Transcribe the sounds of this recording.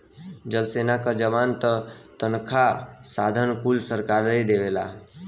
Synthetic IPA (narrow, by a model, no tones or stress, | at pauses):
d͡ʒəlseːnakad͡ʒəʋaːnt̪ət̪ənkʰasaːd̪ʱənkulsəɾkaːɾd̪ejd̪eʋeːla̰ː